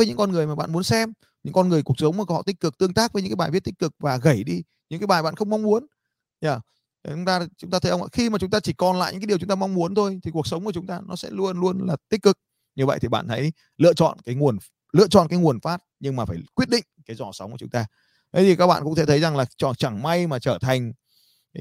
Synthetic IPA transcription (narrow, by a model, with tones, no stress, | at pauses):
əː˨˦ɲɨ̰˧˥ŋkɔ˧nŋɨ˨˩əjmaː˨˩ɓa̰ː˧˨nmu˨˦ənsɛ˧m | ɲɨ̰˧˥ŋkɔ˧nŋɨ˨˩jku˨˩ək̚sə˨˦wŋ͡mma˨˩kə˧˦hɔ̰˧˨t̪ï˦˥k̚kɨ˨˩k̚t̪ɨ˧əŋt̪aː˦˥k̚və˨˦jɨ̰˧˥kːaː˦ɓaː˨˩vt̚t̪ï˦˥k̚kɨ˨˩k̚vaː˨˩ɣə˧˩jɗi˧ | ɲɨ̰˧˥ŋkːaː˨˦jɓaː˨˩jɓa̰ː˧˨nxə˧wŋ͡mma˧wŋ͡mmu˨˦ən | zaː˨˩ | ʊ˨˦ŋ͡mt̪aː˧t͡ɕʊ˨˦ŋ͡mt̪aː˧t̪ʰə˨˦jə˧ŋ͡mʔa̰ː˧˥xi˧ma˨˩t͡ɕʊ˨˦ŋ͡mt̪aː˧t͡ɕi˧˩kɔ˨˩nla̰ː˧˨ɲɨ̰˧˥aː˨˦i˨˩t͡ɕʊ˨˦ŋ͡mt̪aː˧ma˧wŋ͡mmu˨˦ənt̪ʰo˧jt̪ʰi˨˩ku˨˩ək̚sə˨˦wŋ͡mku˧˩t͡ɕʊ˨˦ŋ͡mt̪aː˧nɔ˨˦sɛ̰˧˥lu˧ənlu˧ənlaː˨˩t̪i˦˥kɨ˨˩k̚ | ɲɨ˨˩və̰˧˨jt̪ʰi˨˩ɓa̰ː˧˨nt̪ʰə̰˨˦j | lɨ̰˧˨ət͡ɕɔ̰˧˨nkaː˨˦jŋu˨˩ən | lɨ̰˧˨ət͡ɕɔ̰˧˨nkaː˨˦jŋu˨˩ənfaː˦˥t̚ɲɨ˧ŋmaː˨˩faː˧˩jkwi˦˥ət̚ɗḭ˧˨ŋ̟kaː˨˦jzɔ˧˩sə˨˦wŋ͡mku˧˩t͡ɕʊ˨˦ŋ͡mt̪aː˧ | t̪ʰe˨˦t̪i˨˩kaː˦˥k̚ɓa̰ː˧˨kʊ̰˧˥ŋ͡mt̪e˧˩t̪ʰə˨˦jza˨˩ŋlaː˨˩t͡ɕɔ˧˩t͡ɕa˧˩ŋma˧jmaː˨˩t͡ɕəː˧˩t̪ʰa˨˩jŋ̟